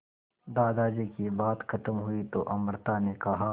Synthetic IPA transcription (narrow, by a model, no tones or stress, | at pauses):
d̪aːd̪aːd͡ʒekibaːt̪xɐt̪əmɦʊit̪oːʔɐməɾt̪anekɐɦaː